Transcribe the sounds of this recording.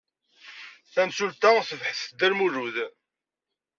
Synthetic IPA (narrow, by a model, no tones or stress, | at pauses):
ænsult̪æθəvħəsd̪ælmuɾuð